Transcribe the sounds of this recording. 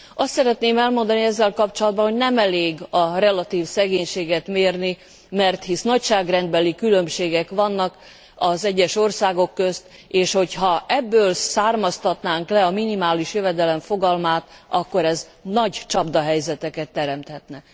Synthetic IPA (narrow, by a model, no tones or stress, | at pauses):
ɒst̪sɛɾɛt̪neːmɛlmo̞nd̪ɒniɛzːɛlkɒpt͡ʃo̞lɒd̪̚bɒnɦonɛmɛleːɡɒrɛlɒt̪iːfsɛɡeːɲʃeːɡɛt̪meːrni | mɛrt̪hisnɒcʃaːɡrɛnd̪bɛlikylømʃeːɡɛkʋɒnːɒk | ɒzɛɟːɛʃo̞rsaːɡo̞kːøst̪ | eːʃho̞chɒʔɛbːøːlsaːrmɒst̪ɒt̪naːŋklɛɒminimaːliʃjøvɛd̪ɛlɛɱfo̞ɡɒlmaːt̪ɒkːo̞ɾɛz | nɒɟt͡ʃɒbd̪ɒɦɛjzɛt̪ɛkɛt̪ːɛɾɛmt̪hɛt̪nɛ